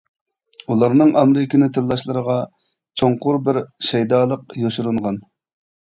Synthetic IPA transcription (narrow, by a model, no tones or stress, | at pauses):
ulˠɑɾnɨŋɑmɾɪkʲɪnɪt̪ʰɪlːˠɑʃlˠɨɾəʁɑ | t͡ʃʰoɴqʊɾbɪɾʃɛjd̪ɑːlˠəqjoʃuɾuɴʁɑn